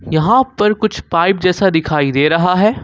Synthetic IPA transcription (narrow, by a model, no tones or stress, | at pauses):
jɐɦãpɐɾkʊt͡ʃʰpaːɪp̚d͡ʒɛːsad̪ɪkʰaːid̪eːɾɐɦaɦɛː